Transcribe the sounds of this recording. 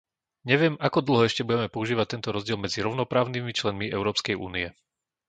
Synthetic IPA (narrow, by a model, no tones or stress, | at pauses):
ɲɛʋɪɛmakɔd̪l̩ˠɦɔɛʃcɛbuɟɛmɛpɔuʒiːʋact̪ɛnt̪ɔɾɔzɟɪɛlmɛd͡ziɾɔʊnɔpɾaːʊnimit͡ʃlɛnmiɛ̰ʊɾɔːpskɛjṵːniɛ